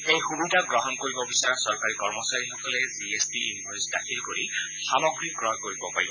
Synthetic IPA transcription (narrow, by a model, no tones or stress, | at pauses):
ejxubidʱaɡɹɔɦɔnkoɹibɔbisaɹasɔɹkaɹikɔɹmɔsaɹixɔkɔlɛziesdiinbʱɔjsda̰kʰilkoɹi | xamɔɡɹiɡɹɔɦkoɹibɔpa̰ɹibɔ